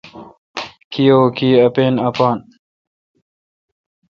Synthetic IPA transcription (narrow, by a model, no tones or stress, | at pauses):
kijoːkiːɐpeːnɐpaːn